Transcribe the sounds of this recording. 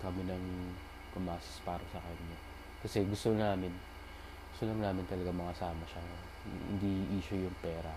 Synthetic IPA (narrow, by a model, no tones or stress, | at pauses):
kɐmɪnɐŋ | pʊmaːsɐ̥spaːɾɐsɐkɐɲːo | kɐsɛɡʊst̪onaːmɪn | ɡʊst̪olɐŋnaːmɪnt̪ɐlɐɡamɐŋɐsaːmɐʃa̰ | hɪ̰nd̪iʔiːʃojʊŋpɛːɾɐ